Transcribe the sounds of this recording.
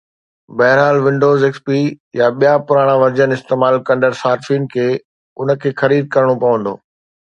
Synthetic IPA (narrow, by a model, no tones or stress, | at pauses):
bɐɦɪɾɦaːlʋɪ̃ɳɖoːzɪkspijaɓijapʊɾaːɽ̃ãʋɐɾd͡ʑənɪst̪eːmaːlkɐ̃nɖəɾsaːɾfin̆kʰeː | ʊnəkʰeːxɐɾiːd̪̚kɐɾɽ̃opɐʋə̃nd̪o̰ː